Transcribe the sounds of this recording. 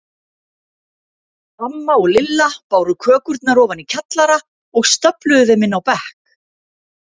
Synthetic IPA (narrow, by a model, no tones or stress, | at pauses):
hamːaɔɣlɪlːapaːwɾʏkʰœːkʏɾt̪naɾɔːvanicʰat̪laɾa | ɔɣst̪œplʏðʏðɪmɪnːawpɛhk